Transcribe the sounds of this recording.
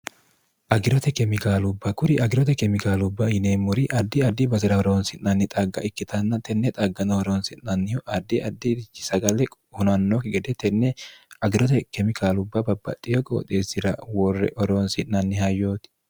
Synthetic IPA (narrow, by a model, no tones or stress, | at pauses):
ʔɐɡɪɾɔt̪ɛkɛmɪkaːlʊbːɐkʊɾɪʔɐɡɪɾɔt̪ɛkɛmɪkaːlʊbːɐhɪneːmːʊɾɪʔɐd̪ːɪɐd̪ːɪbɐt̪ɪɾɐɔɾoːnsɪnːɐnːɪt̪ʼɐɡːɐ̰ʔɪkːɪt̪ɐnːɐt̪ɛnːɛt̪ʼɐɡːɐnɐwɔɾoːnsɪnnɐnːɪjʊʔɐd̪ːɪʔɐd̪ːɪɪsɐɡɐlɛ | hʊnɐnːokɪɡɛd̪ɛt̪ɛnːɛɐɡɪɾɔt̪ɛkɛmɪkʰaːlʊbːɐbɐbːɐ̰t̪ʼːɪjɔkʼo̰ːt̪ʼeːsɪɾɐwɔrːɛ̰ʔɔɾoːnsɪnnɐnːɪhɐjːo̞ːt̪ɪ̥